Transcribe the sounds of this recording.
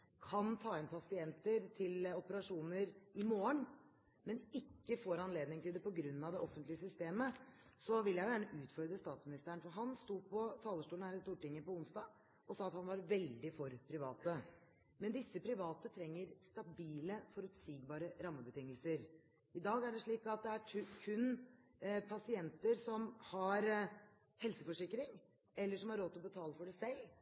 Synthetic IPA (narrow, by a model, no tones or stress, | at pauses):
kʰɑnt̪ʰɑːɛnpʰɑsɪɛnt̪əɾt̪ʰɪlɔpəɾɑʂuːnəɾɪmoːəɳ | mɛnɪkːəfoːɾɑnleːd̪nɪŋt̪ʰɪld̪ɛpɔɡɾʉnːɑʋd̪ɛʔɔfənt̪lɪəsʏst̪eːmə | sɔʋɪlːjæɪjʊjæːɳəʔʉːt̪fɔɾd̪ɾəst̪ɑːt̪smɪnɪst̪əəɳfɔɾɦɑnst̪uːpʰɔt̪ʰɑːləʂʈuːlnæːɾɪst̪uːʈɪŋːəpɔʊnsd̪ɑː | ɔsɑːɑt̪hɑnʋɑɾʋɛld̪ɪfɔɾpʰɾɪʋɑ̰ːt̪ə | mɛnd̪ɪsːəpʰɾɪʋɑːt̪ət̪ʰɾɛŋːəɾst̪ɑbiːləfɔɾʉt̪siːɡbɑːɾəɾɑmːəbət̪ʰɪŋːəlsəɾ | ɪd̪ɑːɡæɖɛʂɭiːkɑt̪̚d̪ɛækʰʉn | pʰɑsɪɛnt̪əɾsɔmhɑɾ | hɛlsəfɔʂɪkːɾɪŋ | ɛlːəʂɔmhɑɾːoːt̪ɪlɔbət̪ʰɑːləfɔɖæsɛlː